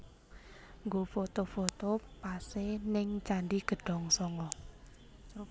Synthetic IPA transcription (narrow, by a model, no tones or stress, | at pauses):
ŋɡofot̪ofot̪opasenɪŋt͡ʃaɳɖiɡ̥ə̤ɖ̥ɔ̤ŋsɔŋɔ